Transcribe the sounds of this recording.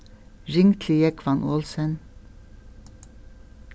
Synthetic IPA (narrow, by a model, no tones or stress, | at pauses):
ɾɪŋt̪ʰlɪjəkʰʋɑnʔoːlsən